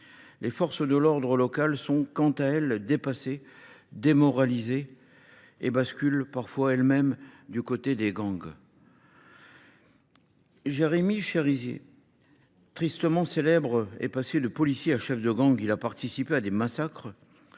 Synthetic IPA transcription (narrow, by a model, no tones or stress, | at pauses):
lefɔʁsd̪əlɔʁd̪ʁəlɔkalsɔ̃kɑ̃t̪aɛld̪epased̪emɔʁalizeː | baskʲylpaʁfwaɛlmɛmd̪ykot̪ed̪eɡɑ̃ɡ | ʒeʁemiʃeʁizjḛ | t̪χist̪əmɑ̃selɛbʁḛpased̪əpɔlisjeaʃɛfd̪əɡɑ̃ɡilapaʁt̪isipead̪emasakχ